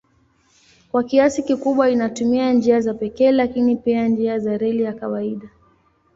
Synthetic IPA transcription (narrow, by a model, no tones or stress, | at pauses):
kwakiasikikuɓwainatumiand͡ʒiazapɛkɛːlakinipiand͡ʒiazaɾɛlijakawaiɗa